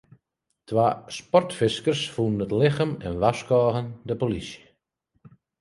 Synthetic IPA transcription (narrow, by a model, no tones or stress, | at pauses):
tʰʋaːspɔrtfɪskərsfunnətlɪxəmɛ̰nʋaskɔːɣəndəpolisjə